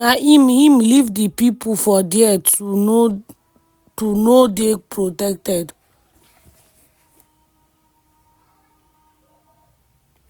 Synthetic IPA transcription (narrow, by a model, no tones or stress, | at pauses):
aʔimhĩmlivdipipufɔdɛɛ | tunodepʰɹotɛk̚tɛd